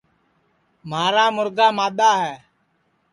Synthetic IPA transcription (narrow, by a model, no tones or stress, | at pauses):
maːɾaːmʊɾɡaːmaːɗ̪aːɦɛː